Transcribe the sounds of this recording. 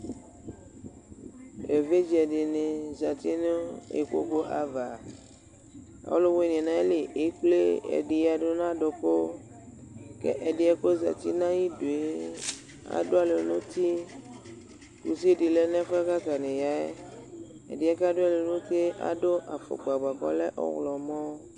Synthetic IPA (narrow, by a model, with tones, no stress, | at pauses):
e˨ve˦d͡ʒɛ˨ɖe˨nẽ˨za˨t̪i˦ne˦ḛ˨ko̰˦ko˦ʔa˨va˨ | ɔ̰˦lo˦wnĩ˨ɛ̃˨nã˦e˦le˨ʔe˨˦k͡ple˦ḛ˨ɖe˨ja˨ɖo˦nã˦ɖo˨ko˦ | kɛ̰˦ʔɛ˨di˨ɛ˦ko˦za̰˨t̪ḭ˦nã˦ji˦do˨e˨˦ | a̰˨do˦a˨le˨˦nũ˦t̪i˦ | ku˨si˦di˨lɛ˦nɛ̃˦fka˦ka˨ne˨ja˨e˦ | ɛ̰˨di˨ɛ˦ka˦do˦a˨le˨˦nũ˦ke˦ʔa̰˦do˦ʔa˨fo̰˨ɡ͡ba˨ɡ͡ba˨kɔ̰˦lɛ˦ʔɔ̰˦ɣlɔ˨mɔ̃˦